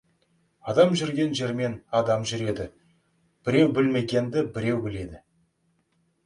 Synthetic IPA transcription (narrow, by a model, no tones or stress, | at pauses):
ɑd̪ɑmʒʏɾɡʲe̞nʒe̞ɾme̞nɑd̪ɑmʒʏɾe̞d̪ɪ | b̥ɪɾe̞wbɪlme̞ɡʲe̞nd̪ɪbɪɾe̞wbɪle̞d̪ɪ